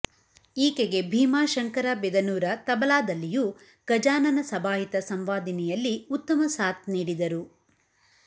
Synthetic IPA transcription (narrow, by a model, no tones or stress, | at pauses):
iːkeɡe̞bʱiːmaːʃɐŋkɐɾabɛd̪ɐnuːɾɐt̪ɐbɐlaːd̪ɐlːijuː | ɡ̥ɐd͡ʒaːnɐnɐsɐbaːɦit̪ɐsɐmʋaːd̪ɐnɛjɐlːiut̪ːɐmɐsaːt̪̚niːɽid̪ɐɾu